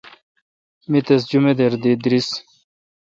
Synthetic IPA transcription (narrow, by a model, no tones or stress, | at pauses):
mit̪es̬d͡ʑumed̪eɾd̪id̪ɾis